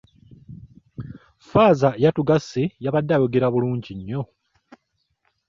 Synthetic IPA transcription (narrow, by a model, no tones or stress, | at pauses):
faːzajatuɡasːejaβadːajo̞ɡe̞ɾaβuluːɲɟiɲːo̞